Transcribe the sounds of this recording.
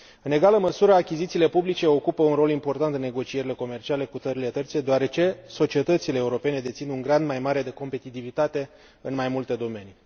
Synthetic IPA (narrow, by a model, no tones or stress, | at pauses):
ɨne̞ɡaləməsuɾəakʲizit̪siːle̞publit͡ʃe̞o̞kupəunɾo̞limpo̞rt̪ant̪ɨnːe̞ɡo̞t͡ʃie̞ɾile̞ko̞me̞rt͡ʃiale̞kut̪əɾile̞t̪ərt̪sed̪eaɾe̞t͡ʃe̞so̞t͡ʃie̞t̪ət̪sile̞ːuɾo̞pe̞ne̞d̪et̪sinuŋɡɾand̪majmaɾe̞d̪e̞ko̞mpe̞t̪it̪ivit̪at̪e̞ | ɨnmajmult̪e̞d̪o̞me̞ni